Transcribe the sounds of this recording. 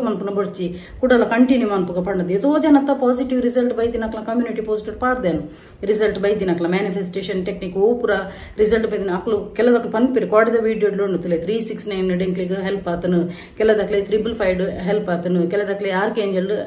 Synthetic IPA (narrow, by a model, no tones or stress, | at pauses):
mɐnpunɐboɾt͡ʃːi | kuɽɐlaːkɐɳʈinjumɐnpuɡɐpɐɳɖɐd̪iet̪oːd͡ʒɐnɐt̪ːɐpaːziʈiʋɾizɐlʈbɐjd̪inɐkːɐlɐkɐmjuːniʈipoːsiʈiʋpaːʈd̪enu | ɾizɐlʈbɐjd̪inɐkːɐlɐmaːnipfʰesʈeːʂɐnʈeknikoːpuɾa | ɾizɐlʈbɐjd̪inɐkːlukɛlːɐd̪ɐkɐlɐpɐnpeɾikaːʈɐd̪ɐʋiːɖijoɖloɳɖut̪ulet̪ʰɾiːsiksnɐjnɖeŋkliɡɦelpat̪ɐnu | kɛlːɐd̪ɐkːɐlet̪ʰɾipɐlpʰɐjɖɦelpɐt̪ɐnukɛlɐd̪ɐkːleaːɾkeːɲd͡ʒɐl